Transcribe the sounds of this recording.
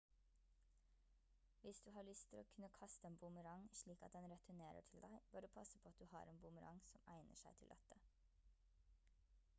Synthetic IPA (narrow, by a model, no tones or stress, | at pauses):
ʋɪsd̪ʉːhɑːɭʏst̪ʰɪlo̰ːkʰʉnəkʰɑst̪əeːnbʊməɾɑŋʃɭiːkɑ̰t̪̚d̪ɛnɾɛt̪ʰʉneːɾə̰ʈʰɪld̪æɪb̥øːɾd̪əpʰɑsəpʰoːɑt̪̚d̪ʉːhɑ̰ːɾeːnbʊməɾɑ̰ŋsɔmæ̰ɪnʔə̰ʃæɪt̪ʰɪlʔɑ̰t̪ə